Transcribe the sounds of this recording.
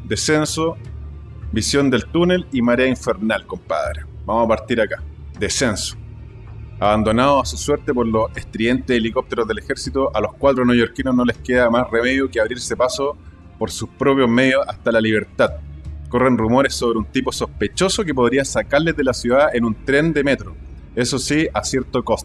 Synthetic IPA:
d̪ese̞nso | bisjo̞nd̪e̞lt̪une̞limaɾeaiɱfeɾnalkompa̰ðɾe | bamosapaɾt̪iɾaka | d̪e̞se̞nso̥ | aβand̪o̞naðoasusweɾt̪epo̞ɾloseht̪ɾie̞nt̪eelikop̚t̪e̞ɾoðe̞lexe̞ɾsit̪oʔalohkwat̪ɾonojo̞ɾkinosnole̞hkeðamasreme̞ðjokeaβɾiɾsepaso | poɾsuspɾopjozme̞ðjosaht̪alaliβe̞ɾt̪aðko̞renrumo̞ɾesoβɾeunt̪ipo̞so̞hpet͡ʃo̞sokepoðɾiasakaɾle̞zðelasjuðaenunt̪ɾe̞nd̪e̞me̞t̪ɾo | e̞sosiasjeɾt̪okos

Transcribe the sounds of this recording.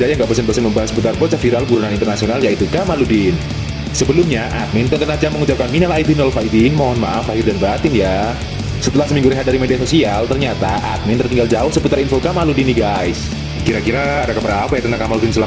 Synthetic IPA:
dajaŋɡapəsənbəsənməmbaɦasəput̪arpot͡ʃafiɾalbuɾunanint̪ərnasionaljait̪ukamaludɪn | səbəlʊmɲaʔat̪̚mɪnt̪ət̪ənad͡ʒamːəŋut͡ʃap̚kanminalait̪unɔlfaidinmoɦɔnma̰ʔafaɦɪrdanbat̪ɪnja | sət̪əlahsəmiŋɡuɾiɦadaɾimediasosialt̪ərɲat̪aʔat̪̚mɪnt̪ərt̪iŋɡald͡ʒaʊhsəput̪aɾinfokamaludiniɡajs | kiɾakiɾaːdakəpəɾaːpajat̪ənakamaludinsəla

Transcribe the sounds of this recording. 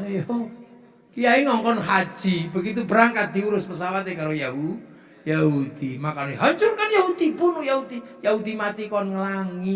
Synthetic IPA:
jɔ | kijaiŋɔŋkɔnɦḁʒ̥ibəɡit̪ubəɾaŋkat̪̚d̪̥iuɾʊspəsawat̪ekaɾojaɦu | jahud̪̥imakaloeɦɔɲt͡ʃʊrkanjahud̪̥ipʊnojaɦud̪ijaɦud̪imat̪ikɔnŋəlaŋi

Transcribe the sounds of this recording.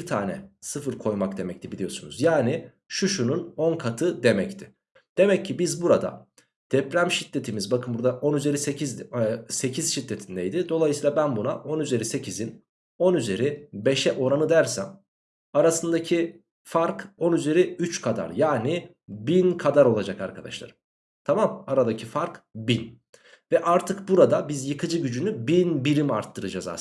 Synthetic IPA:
biɾt̪ʰaːnɛsɯfɯɾkʰo̞jmaktd̪e̞mɛc̚t̪ʰibilʲijo̞sunuzjaːni | ʃuʃununo̞nkʰat̪ʰɯd̪e̞mɛct̪ʰɪ | d̪̥e̞mɛcʰːibizbuɾad̪a̰ | d̪̥ɛpɾæmʃit̪ːe̞t̪ʰimizbakʰɯmbuɾd̪aʔo̞nyze̞ɾisecʰizse̞cʰiz̥ʃit̪ːe̞t̪ʰind̪ɛjd̪ɪd̪o̞lˠajsiːlˠabænbunaʔo̞nyze̞ɾise̞cʰizin | o̞nyze̞ɾibe̞ʃɛʔo̞ɾanɯd̪æɾsæ̰m | aɾasɯnd̪acʰi | faɾko̞nyze̞ɾiyt͡ʃkʰad̪a̰ɾjaːni | binkʰad̪aɾo̞lˠad͡ʒakaɾkʰa̰d̪a̰ʃlˠa̰ɾɯm | t̪ʰamamaɾad̪acʰifaɾkbin | vɛʔaɾt̪ʰɯkbuɾad̪abizjɯkʰɯd͡ʒɯɟyd͡ʒynybinbiɾimaɾt̪ʰːɯɾɯd͡ʒaza̰

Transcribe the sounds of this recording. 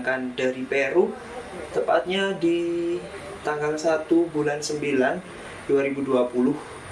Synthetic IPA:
kandaɾipeɾu | t̪əmpat̪̚ɲadi | t̪aŋɡalsat̪ubulansəmbilan | duaɾibuduapulʊh

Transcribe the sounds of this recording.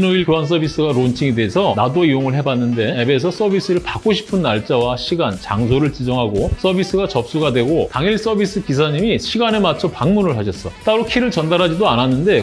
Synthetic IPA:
noiɭkjoɦans̬͈ʌbis͈ɯɡaɾont͡ɕʰiŋede̞esʰʌnadoijoŋɯɭɦe̞banːɯnde̞ebe̞s̬ʰʌs͈ʌbis͈ɯɾɯɭpak͈oɕʰi̥pʰɯnːaɭt͡ɕ͈awaɕʰiɡant͡ɕaŋsʰoɾɯɭt͡ɕid͡ʑʌŋɦaɡos͈ʰʌbis͈ɯɡat͡ɕʌp̚s͈uɡadwe̞ɡotaŋiɭs͈ʌbis͈ɯkis̬ʰaɲimiɕʰiɡanemat͡ɕʰopaŋmunɯɭhaɕʰʌs͈ʌt͈aɾokʰiɾɯɭt͡ɕʌndaɾɦad͡ʑidoananːɯnde̞

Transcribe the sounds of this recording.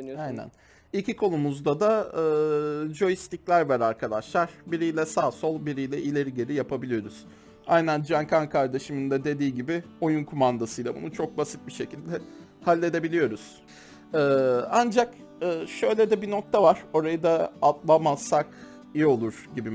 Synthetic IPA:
ajnæ̰n | icʰikʰo̞numuzd̪ad̪aɯːd͡ʒo̞jist̪iclʲæɾvɛɾaɾkʰad̪aʃlˠaɾ̥biɾijlʲɛsaːso̞lˠbiɾijlʲɛʔilʲeɾiɟe̞ɾijapʰabilʲijo̞ɾuz̥ | a̰jnænd͡ʒankʰankʰaɾd̪e̞ʃimind̪ɛd̪e̞d̪iːɟibɪ | o̞junkʰumand̪asɯjlˠabṵnut͡ʃʰo̞k̚basit̪̚biʃe̞cilʲd̪ɛ | halʲːe̞d̪e̞bilʲijo̞ɾuz̥ | ɛːand͡ʒak | ɯːʃø̞jlʲɛd̪ɛbino̞k̚t̪ʰavaɾ̥o̞ɾajɯd̪aːt̪lˠamaz̥sak | ijo̞lˠuɾ̥ɟibi

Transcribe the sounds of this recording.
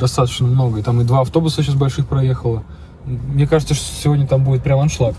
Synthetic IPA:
d̪ɐst̪at̪ət͡ɕnəmno̞ɡəɪt̪amɨd̪vaɐft̪o̞bʊsəɕas̬bɐlʲʂɨxpɾɐje̞xəlˠə | mnʲekaʐɨt̪səʂt̪osʲɪvodʲnʲət̪ambudɪt̪̚pɾʲamɐnʂlˠak

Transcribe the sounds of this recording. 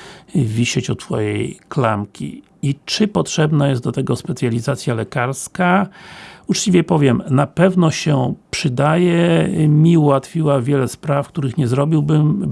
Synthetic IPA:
vʲiɕɛt͡ɕɔt̪fɔ̰jejklamkʲḭ | it͡ʂɘpɔtʂɛbnajɛst̪d̪ɔt̪ɛɡɔspɛt̪sʲjalʲizat̪sʲjalɛkaɾska | ut͡ʂt͡ɕivʲjɛpɔvʲjɛmnapɛvnɔɕɛpʂɘd̪ajɛmʲiuwat̪fʲiwavʲjɛlɛspɾafk̚t̪uɾɘxɲɛzɾɔbʲiwbɘm

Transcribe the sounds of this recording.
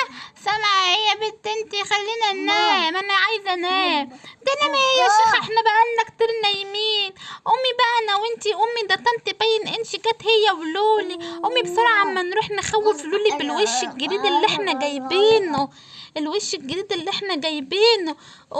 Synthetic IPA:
sæmʕahɪjːæbɪd̪ʔɪnt̪ixælːiːnænæːmʔanaʕajzænæːmd̪ælæmæhɪjːæʃaxʔeħnæbaʔalnækt̪iɾnæjmiːnʔʊmːibanawʔɪnt̪iʔʊmːid̪ɑt̪ːɑnt̪ibæjːnʔɪnʃɪɡæːt̪hɪjːæwluːliʔʊmːibsˤɑɾˤaʕamːænɾuːħnxæwːɪfluːlibɪlweʃɪlɡɪɾiːd̪ɪlːiʔɪħnæɡæjbiːnʊ | ʔɪlweʃɪlɡɪɾiːd̪ɪlːiʔɪħnæɡæjbiːn

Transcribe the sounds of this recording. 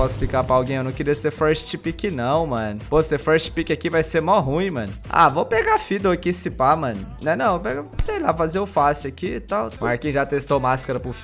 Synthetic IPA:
ɔsʊ̥pikapɾɐawɡẽj̃ewnɐ̃w̃keɾiɐseɾfɛɾʃʃipikɪnɐ̃w̃mɐ̃nʊvosefɛʃi̥pikʲɪakivajseɾmawɦũĩmɐ̃nʊa̰vowpeɡafid̪ɐakisipamɐ̃nʊnɛnɐ̃w̃peɡasejlafazeʊfasʊakit̪awaɾkẽj̃ʒat̪est̪owmaskɐɾɐpʊf

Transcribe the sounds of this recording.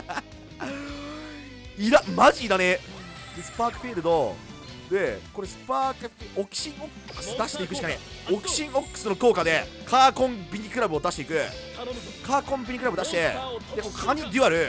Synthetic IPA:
iɾamaʑid̪ane | d̪̥esɨ̥paːkɯ̟̥ɸʲiɾɯ̟d̪o̞ | d̪e̞ko̞ɾe̞sɨ̥paːkɯ̟ɸiʔokɯ̥ɕĩŋo̞kːɯ̥sɨd̪aɕi̥t̪e̞ikɯ̟ɕi̥kane | o̞kɯ̟̥ɕĩŋo̞kːɯ̥sɨnokoːkad̪e̞ | kʰaːkõ̞mbʲiɲ̟ʲikɯ̟ɾabɯo̞d̪aɕi̥t̪e̞ikɯ̟ | kaːkõ̞mbʲiɲ̟ikɯɾabɯ̟d̪aɕi̥t̪e̞d̪e̞kokʰaɲ̟id̪ʲɯaɾɯ̟

